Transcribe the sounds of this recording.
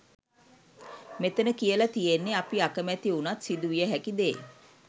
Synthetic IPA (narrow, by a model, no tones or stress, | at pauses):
met̪ənəkijəlat̪ijenːeapiakəmæt̪iunat̪sid̪uʋijəɦækid̪eː